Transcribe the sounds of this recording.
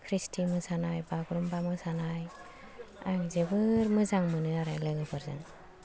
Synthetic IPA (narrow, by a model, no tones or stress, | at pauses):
kʰɾistʰimɯsanajbaɡɾumbamɯsanaj | a̰kzebɯɾmɯzaŋmɯnɯaɾajlɯɡɯbʰɯɾza̰ŋ